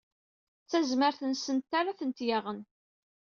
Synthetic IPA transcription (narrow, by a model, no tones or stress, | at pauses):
t͡sːæzməɾθənsənt̪ːaɾaθənt̪jaʁən